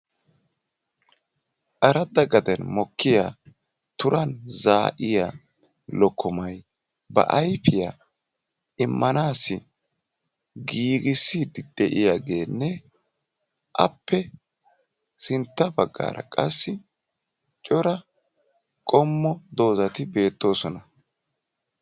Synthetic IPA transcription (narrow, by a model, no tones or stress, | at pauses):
ʔɐɾɐd̪ɐɡɐd̪ɛnmɔkʰːɪja | t̪ʊɾɐnzaːʔɪja̰ | lɔkʰːɔmɐj | bɐ̰ʔɐjfɪja | ʔɪmːɐnaːsːɪ | ɡiːɡɪsːiːd̪ɪd̪̥ɛʔɪjaɡe̞ːnːɛ | ʔɐ̰pːɛ | sɪnt̪ːɐbɐɡːa̰ːɾɐ̰kʼɐsːɪ | t͡ʃʼɔɾɐ | kʼɔmːɔd̪o̞ːzɐt̪ɪbe̞ːt̪ːo̞ːsɔnɐ